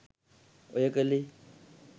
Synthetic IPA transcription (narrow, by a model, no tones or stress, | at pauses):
ʊjɛkʼalɪ